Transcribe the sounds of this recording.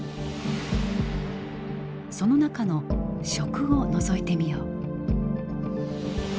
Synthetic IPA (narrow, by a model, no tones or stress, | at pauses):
so̞no̞nakano̞ɕo̞kɯ̟ono̞zo̞it̪e̞mʲijoː